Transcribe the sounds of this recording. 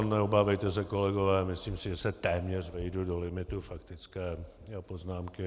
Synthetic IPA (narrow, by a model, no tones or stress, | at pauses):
nɛɔbaːvɛjt̪ɛs̬ɛkolɛɡovɛːmɪsliːmsɪʒɛsɛt̪ɛːmɲɛrvɛjdudolɪmɪt̪ufakt̪ɪt͡skɛː | japoznaːmkɪ